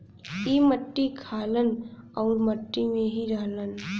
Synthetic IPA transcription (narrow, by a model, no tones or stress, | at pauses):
iːməʈːikʰaːlənɔːɾməʈːimẽɦiɾaːɦlən